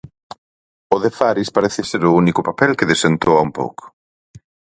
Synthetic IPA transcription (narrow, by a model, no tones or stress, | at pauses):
ʊðefaɾispaɾeθɪseɾʊunikʊpapɛlkɪðesent̪owaumpo̰wkʊ̥